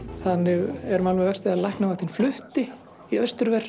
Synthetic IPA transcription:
θanːɪɣɛɾmalmʏvɛkst̪ɪalahknavat̪ʰinflʏht̪ɪ | iœst̪ʏɾvɛr̥

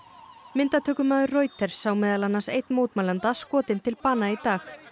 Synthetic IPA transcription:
mɪnt̪at̪ʰœːkʏmaːðʏroːjt̪ɛɾ̥saːwmɛːðalanːasejt̪nmowt̪malant̪askɔːt̪ɪnt̪ʰɪlpaːnait̪aːx

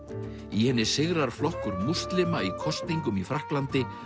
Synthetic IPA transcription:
ihɛnːɪ̥sɪɣɾaɾ̥flɔhkʏɾmur̥st̪lɪmaikʰɔst̪niŋkʏmifɾahklant̪ɪ

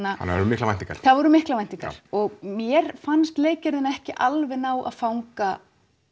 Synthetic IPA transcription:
naa̰nːɾʏmɪhklaant̪iŋka̰ɾ̥θaðvɔɾʏmɪhklavajn̥t̪iŋka̰ɾ̥ɔɣmjɛɾ̥fanst̪leːjcaɾðɪnaɛhcɪʔalvɪnaːwʔa̰ðfawŋka

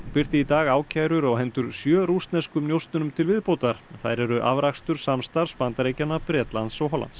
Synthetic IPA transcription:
pɪr̥t̪ɪit̪aːɣaːwcʰajɾʏɾɔɣɦɛnt̪ʏɾ̥sjœːɾust̪nɛskʏmnjowst̪nʏnʏmt̪ʰɪlvɪðpowt̪aɾ̥nθajɾɛɾʏʔa̰vɾakst̪ʏɾ̥samst̪aɾ̥spant̪aɾeːjcanːapɾjɛːt̪lant̪sɔɣɦɔla̰nt̪s

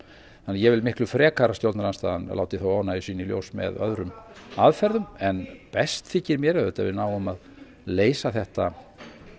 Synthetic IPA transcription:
θanːajɛvɪlmɪhklʏfɾɛːkaɾast̪jow̪t̪naɾanst̪aːðanla̰ːwt̪ɪθowaːwnaisiːnɪiljo̰wsmɛ̰ðœ̰ðɾʏmaðfɛɾðʏmɛnpɛst̪θɪcɪɾmjɛɾɛðœːt̪a̰vɪnawʏmað | leːjsaθɛht̪a

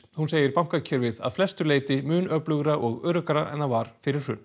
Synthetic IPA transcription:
hunseːjɪɾpam̥kacʰɛːɾvɪða̰ðflɛst̪ʏɾleːjt̪ɪmʏːnœplʏɣɾaʔɔɣœːɾʏkaɾaʔɛ̰nːavaɾ̥fɪɾɪɾ̥hʏn

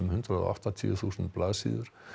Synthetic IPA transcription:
mhʏnt̪ɾað̰a̰ft̪at̪ʰiθusnt̪̚plaðsḭðʏɾ̥

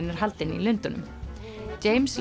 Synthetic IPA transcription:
nɪɾ̥ɦalt̪ɪnḭlʏnt̪ʏnʏ̰m | t͡ɕeːjmsl

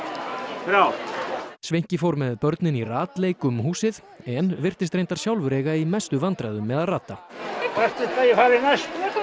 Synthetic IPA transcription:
fɾawsvejɲ̥cɪfowɾmɛðpœɾt̪nɪniraːt̪lejkʏmhuːsɪð | ɛnvɪr̥t̪ɪst̪ɾejnt̪aɾ̥sjawlvʏɾɛːɣaimɛst̪ʏvant̪ɾaðʏmːɛðaðraːt̪ːakast̪ɪt̪ajɛfaːɾɪnast̪

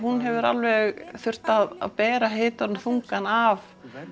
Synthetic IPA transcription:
hunɦɛvʏɾa̰lvɛɣθʏr̥t̪aða̰ðpɛːɾaɦeːt̪aɾnθuŋkanav

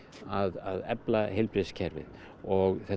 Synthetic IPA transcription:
aðaðɛplaɦɪlpɾɪscʰɛɾvɪ̰ð | ɔɣθɛ

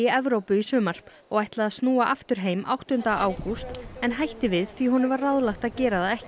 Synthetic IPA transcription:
ɪɛvɾowpʏisʏːmaɾ̥p | ɔɣajht̪laðaðst̪nuːaʔaft̪ʏɾ̥ɦeːjmʔa̰wht̪ʏnt̪aʔaːwkust̪ɛnɦajht̪ɪvɪðθviɦɔnɪvaɾrːaðlaht̪aðcɛːɾaðaɛhcɪ

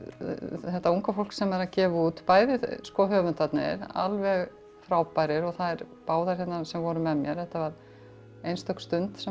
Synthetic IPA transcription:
θɛht̪ːauŋkafolksɛmɛɾaðcɛːvuːt̪paːjðɪðskɔɦœːvʏnt̪at̪nɪ̰ɾa̰lvɛɣ | fɾaːwpajɾɪɾɔɣθaðɛɾ | paːwðaɾ̥çɛt̪nasɛmvɔːɾʏmɛðmjɛɾθɛht̪ːavaɾ | ejnst̪ʰœkst̪ʏnt̪sɛ

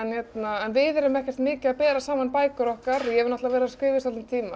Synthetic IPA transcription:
ɛnçɛt̪naɛnvɪðɛɾʏmɛhcɛr̥t̪mɪːcɪaðpɛːɾasaːmanpaːjkʏɾɔhkaɾjɛvɪɾnaht̪avɛːɾaskɪːvɪst̪alɪmt̪ʰiːma

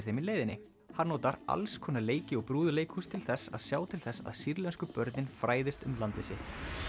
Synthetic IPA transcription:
ɾ̥θejmileːjðɪnːɪ | haɾnɔːt̪aɾa̰lskʰɔːnaleːjcɪɔɣpɾuːðʏleːjkʰust̪ʰɪlθɛsːa̰ðsjaːwt̪ʰɪlθɛsːa̰ðsiɾlɛnskʏpœɾt̪nɪnfɾaːjðɪst̪ʏmlant̪ɪsɪht̪

